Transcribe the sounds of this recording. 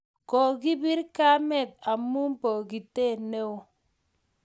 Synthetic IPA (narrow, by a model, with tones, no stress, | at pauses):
ko˨ɡi˦bi˦ɾka˦mɛ˦˨t̪̚a˨mu˦mpo˨ɡi˨te˦˨ne˦o˨